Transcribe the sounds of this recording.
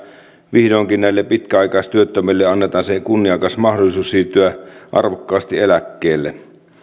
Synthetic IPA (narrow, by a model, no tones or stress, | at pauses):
ʋihdoːŋkinnæilːepit̪kæɑikɑˑist̪yøt̪ːømelːeɑnːet̪ɑːnsekunːiɑkɑsmɑhdolisuːssirt̪yæʔɑ̰rʋokːɑːst̪ielækːeːlːe